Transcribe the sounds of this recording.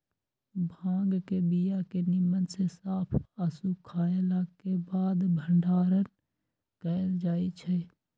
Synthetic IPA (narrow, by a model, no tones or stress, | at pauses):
bʱãːŋɡkebijakenɪmːənsesaːpʰəsukʰaːelaːɡkebaːd̪bʱəɳɖaːɾən | kəːjld͡ʒaːit͡ʃʰe